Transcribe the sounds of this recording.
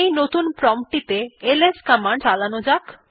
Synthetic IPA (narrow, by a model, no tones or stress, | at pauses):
ejnot̪unpɾɔmʈit̪eeleskamaɳɖalanod͡ʑak